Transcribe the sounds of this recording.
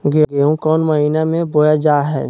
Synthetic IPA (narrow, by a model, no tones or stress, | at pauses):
ɡeɡeːũkɔːnməɦiːnamẽbojad͡ʒaːɦɛ̰ː